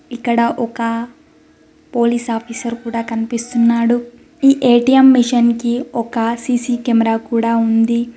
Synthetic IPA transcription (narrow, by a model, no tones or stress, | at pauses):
ikːɐɽɐʔɔkɐ | po̞ːliːsaːpʰiːsɐɾkuːɽaːkɐnipist̪unːaːɽu | iːʔeːʈijɐmːiʂɐnkiɔkɐsiːsiːkemɐɾaːkuːɽaːund̪i